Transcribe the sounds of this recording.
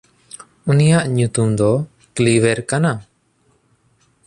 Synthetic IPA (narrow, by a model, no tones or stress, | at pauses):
unijaʔɲut̪umd̪ɔ | kliwɛɾkana